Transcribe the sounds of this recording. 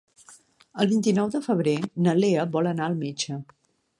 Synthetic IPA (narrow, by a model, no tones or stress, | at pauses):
əlˠβint̪inɔwðəfəβ̞ɾenəleəβɔlənaəlˠmet͡ʃə